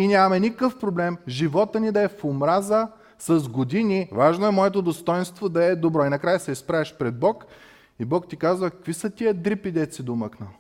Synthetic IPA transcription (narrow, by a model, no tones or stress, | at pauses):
inʲamɐmɛnʲikəfpɾoblɛmʒivɔt̪ənid̪ɐɛfomɾazə | sɐzɡod̪inivaʒnoɛmɔɛt̪od̪ost̪ɔɛnst̪vod̪ɐɛd̪obɾɔinɐkɾajəsɛispɾavɛʃpɾɛd̪̚bɔk | ibɔkt̪ikazvəkɐ̥kvisɐt̪ijəd̪ɾipid̪ɛt̪sid̪oməknə